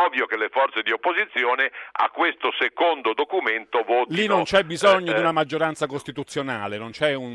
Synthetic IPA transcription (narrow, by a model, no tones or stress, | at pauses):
ɔvjokelefɔɾt̪sed̪iopːozit̪sːjɔːnɪa̰kːwest̪osekond̪od̪okument̪ovɔtlinːont͡ʃɛbbːizɔɲːod̪iunamad͡ʒːoɾant̪sakost̪it̪ut̪sːjonaːlenont͡ʃɛun